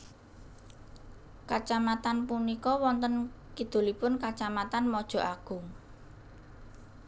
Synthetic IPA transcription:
kat͡ʃamat̪anpunikɔwɔnt̪ənkid̪̥o̤lipʊnkat͡ʃamat̪anmɔd̥ʒ̥ɔ̤ʔaɡ̥ʊŋ

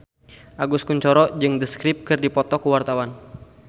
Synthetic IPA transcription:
ʔaɡuskuɲt͡ʃɔɾɔd͡ʒɨŋdəskɾɪp̚kɨrdipɔt̪ɔkuwart̪awan

